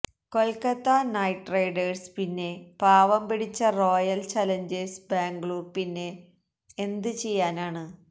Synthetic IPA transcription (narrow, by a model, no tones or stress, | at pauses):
ko̞lkɐt̪ːanɐjʈrejɖerspinːe̞paːʋɐmpiɽit͡ɕːɐro̞ːjɐlt͡ɕɐlɐɲd͡ʑesbaːŋɡɭupinːe̞ː | nd̪ɨt͡ɕe̞jːaːnaːɳɨ